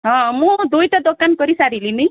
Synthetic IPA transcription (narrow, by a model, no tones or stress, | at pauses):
ɦɔ̃mũd̪ujt̪ɔd̪okankɔɾisaɾilinəj